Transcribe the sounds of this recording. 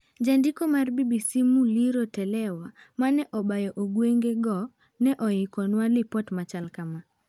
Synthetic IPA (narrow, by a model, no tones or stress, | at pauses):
d͡ʒandikɔmaɾbibisimuliɾɔtɛlɛwa | manɛʔɔbajɔʔoɡweŋɡɛɡɔ | nɛʔɔikɔnwalipɔtmat͡ʃalkama